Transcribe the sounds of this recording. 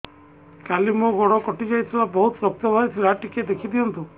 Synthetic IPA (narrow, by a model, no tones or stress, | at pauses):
kalimuɡɔɽɔkɔʈid͡ʒajt̪ʰilabɔɦut̪sɔk̚t̪jɔbʱajsʰiɾaʈiked̪ekʰid̪iɔnt̪u